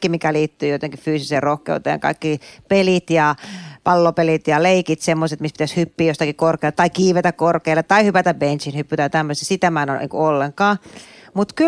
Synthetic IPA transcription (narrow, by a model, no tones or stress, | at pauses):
kːimikæliːt̪ːyːjot̪eŋkiffyːsiseːrohkḛut̪ḛːŋkɑ̰ikːipelit̪jɑpɑlːopelit̪jɑleikit̪semːoset̪mispit̪æshypːiːjost̪ɑkikorkeːlet̪ɑikiːʋet̪ækkorkeilːet̪ːɑihypæt̪æbbensinhypːyt̪ɑjt̪æmːøst̪ːsit̪æmænonḭːkṵolːeŋkɑːmut̪ky